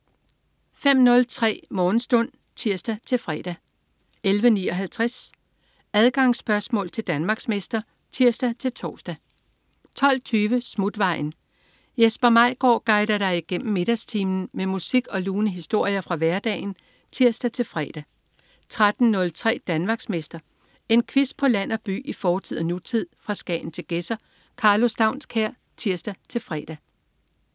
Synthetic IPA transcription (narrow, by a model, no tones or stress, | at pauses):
fem̰nɔ̽lt͡sʰʁɛ̰ːmɒːn̩sd̥ɔ̽n̰ | t͡sʰiɐsd̥æt͡sʰe̝lfʁɛ̰ːd̥æ | elʋəniːɒ̽ɦælt͡sʰʁas | æð̞ˠɡ̥ɑ̈ŋsːb̥ɶɐsmɔ̰ːlt͡sʰe̝ld̥ænmɑ̈ːɡ̥smesd̥ɐ | t͡sʰiɐ̰sd̥æt͡sʰe̝lt͡sʰɒːsd̥æ | t͡sʰɒ̽l̰t͡sʰyːʋəsmud̥ʋɑ̈ɪ̰n̩ | jesb̥ɐmɑ̈ɪ̰ɡ̥ɒ̰ːɡ̥ɑ̈ɪd̥ɐɾ̥ɑ̈ɪiɡ̥en̰m̩me̝ɾ̥æst͡sʰiːmn̩memusiɡ̥ɒ̽luːnəɦisd̥o̝ɐ̰jɐfʁɑ̈ʋæɐd̥ɛ̰ːɪn̩ | t͡sʰiɐ̰sd̥æt͡sʰe̝lfʁɛ̰ːd̥æ | t͡sʰʁad̥n̩nɔ̽lt͡sʰʁɛ̰ːd̥ænmɑ̈ːɡ̥smesd̥ɐ | e̝nkʰʋis̚pʰɒ̽læn̰ɒ̽b̥y̰ːʔifɒːt͡sʰið̰ˠnut͡sʰið̰ˠfʁɑ̈sɡ̥ɛ̰ːn̩t͡sʰe̝lɡ̥esɐ | kʰɑ̈ːlo̝sd̥ɑ̈ʊnskʰæɐ̰ | t͡sʰiɐ̰sd̥æt͡sʰe̝lfʁɛ̰ːd̥æ